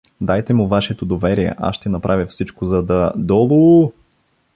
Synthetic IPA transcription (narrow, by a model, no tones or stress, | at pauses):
d̪ajt̪ɛmʊvaʃɛt̪od̪ovɛɾiɛ̰ʔa̰ʃːt̪ɛnɐpɾʔavʲəfsit͡ʃkozɐd̪ɐd̪ɔlˠo